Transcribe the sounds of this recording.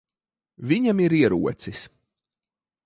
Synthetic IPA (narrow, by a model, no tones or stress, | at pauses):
vʲiɲamiɾiɛɾṵɔt̪sis